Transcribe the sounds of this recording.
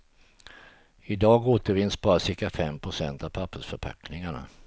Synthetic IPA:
ɪd̪ɑːɡoːt̪əɾvɪnːsbɑːɾasɪɾkafɛmːpʰɾʊsɛnt̪avpʰapːəʂfœɾpʰa̰knɪŋaɳa̰

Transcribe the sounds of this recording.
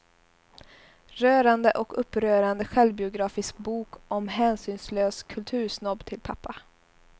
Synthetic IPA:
ɾøːɾand̪əʔɔkɵpːɾøːɾand̪əɧɛlvbɪʊɡɾɑːfɪsk̚buːkɔmɦæːnsyːnsløːskʰɵlt̪ʰʉ̟ːʂnɔbt̪ʰɪlpʰapʰːa

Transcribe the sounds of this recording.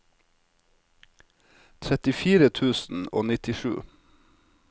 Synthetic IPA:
t̪ʰɾɛt̪ɪfiːɾət̪ʰʉːsn̩o̰ːnɪt̪ɪʃʉ̰ː

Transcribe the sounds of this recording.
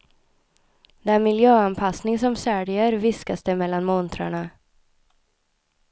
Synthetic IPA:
d̪ɛnmɪljøːanpʰasnɪŋsɔmsæːɖɪəɾvɪskasd̪ɛmɛlːanmɔnt̪ʰɾa̰ɳa

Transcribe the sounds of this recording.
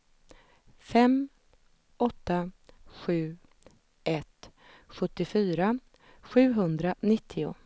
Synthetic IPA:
fɛm | ɔt̪ːaɧʉ̟ː | ʔɛt̪ | ɧɵt̪ːɪfyːɾa | ɧʉ̟ːɦɵnd̪ɾanɪt̪ʰːɪʊ̰

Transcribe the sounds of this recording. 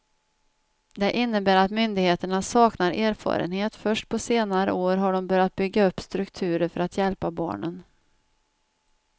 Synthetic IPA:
d̪ɛʔɪnːəbæːɾat̪mʏnd̪ɪɡheːt̪əɳasɑːknaɾʔeːɾfɑ̰ːɾə̰nheːt̪fœʂʈ̚pʰɔseːnaɾə̰oːɾɦaɖɔmbœɾjat̪̚bʏɡːaɵpːst̪ɾɵkt̪ʰʉ̟ːɾəɾfœɾat̪jɛlpabɑ̰ːɳən

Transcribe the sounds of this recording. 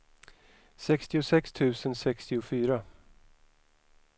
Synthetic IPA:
sɛkst̪ɪʊsɛkst̪ʰʉ̟ːsənsɛkst̪ɪʊfyːɾa

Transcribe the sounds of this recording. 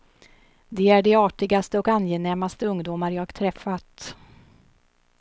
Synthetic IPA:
d̪ɛæɖɛɑːʈɪɡast̪əɔkanjeːnɛmːast̪əɵŋd̪uːmaɾjɑːɡt̪ʰɾɛfːat̪

